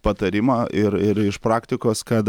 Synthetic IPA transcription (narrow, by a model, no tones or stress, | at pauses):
pɐt̪ɐɾʲɪmɑːɪɾɪɾɪʃpɾɑːkt̪ʲɪkoːskɐt̪